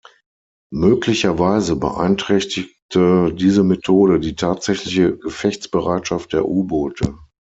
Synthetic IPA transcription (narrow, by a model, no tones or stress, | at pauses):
møːklɪçɐvaɪzəbə̰ʔa̰ɪntʁ̥ɛçtɪktʰədiːzəmetʰoːɾədiːtʰaːtz̥ɛçlɪçəɡəfɛçt͡sb̥əʁaɪtʃaft̚d̥eːɐʔuːboːtʰə̰